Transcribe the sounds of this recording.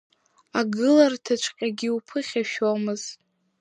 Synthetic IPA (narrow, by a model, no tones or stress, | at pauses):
aɡɨlartʰat͡ʃʷʰqʲʼaɡʲiupʰɨχʲaʃomɨz̥